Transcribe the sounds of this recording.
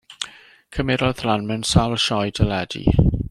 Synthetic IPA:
kʰəmɪɾɔðlanmənsawlʃɔjdəlɛdḭ

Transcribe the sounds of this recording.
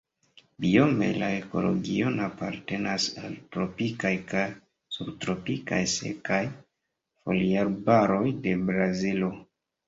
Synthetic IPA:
biome̞̰laeko̞̰lo̞̰ɡio̞napaɾte̞nasa̰ltɾo̞pikajkaj | subtɾo̞pika̰jsḛkaj | fo̞̰liaɾbaɾo̞jde̞bɾazilo

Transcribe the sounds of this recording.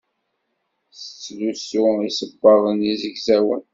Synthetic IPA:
sə̥t͡sːlusʊisəbːɑʁˤənizəɡzæwə̰n

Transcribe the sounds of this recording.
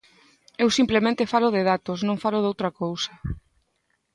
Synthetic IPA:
ewsimplemẽnt̪efalʊðɪðat̪osnõŋfalʊðowt̪ɾɐkowsɐ

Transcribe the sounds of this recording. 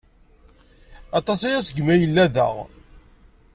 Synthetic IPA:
ɑt̪ˤɑsijæsəɡmæjəlːæðæ̰ʁ

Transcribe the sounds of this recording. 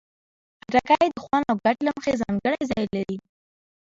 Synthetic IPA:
haɾakajed̪əxwɑnawɡaʈlaməxezɑŋɡəɽajzɑjlaɾi

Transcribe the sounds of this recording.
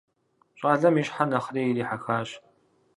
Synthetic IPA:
ɕʼaːɮɐmiːɕħanɐχriːjiɾiːħaxaːɕ

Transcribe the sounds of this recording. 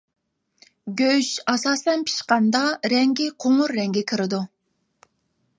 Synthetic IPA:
ɡʲøʃɑsɑːsɛnpʰi̥ʃqɑnd̪ɑɾɛŋɡʲɪqʰoŋʊɾːɛŋɡʲɛkʲʰiɾɪd̪u

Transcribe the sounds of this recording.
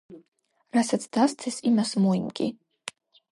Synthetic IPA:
ɾasat̪sʰd̪̥ast̪sʰɛsimasmɔimɡḭ

